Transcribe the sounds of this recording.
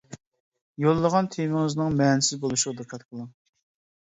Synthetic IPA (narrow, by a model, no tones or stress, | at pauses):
jolˠːəʁɑnt̪ʰemɪŋɪznɪŋmɛnɪsɪzbolˠuʃʁɑd̪ɨqʰɛt̪̚qʰəlˠɨŋ